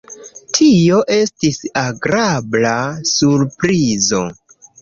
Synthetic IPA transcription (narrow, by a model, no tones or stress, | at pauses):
tʰio̞ʔe̞stisaɡɾablasuɾpɾizo̞̰